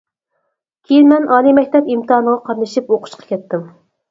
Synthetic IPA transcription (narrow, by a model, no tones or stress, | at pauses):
kʲʰejinmɛnɑːlˠimɛk̚ʲt̪ɛpimt̪ɨɑːnəʁɑqʰɑɾnɨʃipoqʰʊ̥ʃqʰɑ̥kʲʰɛt̪ːɪm